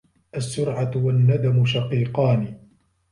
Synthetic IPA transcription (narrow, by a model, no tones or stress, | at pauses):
ʔasːʊɾʕat̪wanːad̪amʊʃaqiːqɑːniː